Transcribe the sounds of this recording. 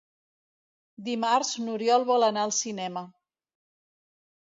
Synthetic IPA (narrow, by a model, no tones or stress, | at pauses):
d̪imaɾznuɾjɔlˠβɔlənaəlˠsinɛmə